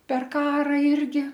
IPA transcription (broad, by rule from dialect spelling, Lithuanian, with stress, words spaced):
pʲɛr ˈkɑːrɐ ˈɪrʲɡʲɪ